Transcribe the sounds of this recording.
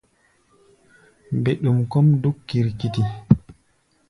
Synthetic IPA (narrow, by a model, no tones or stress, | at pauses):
bɛɗumkɔmdukːiɾkiti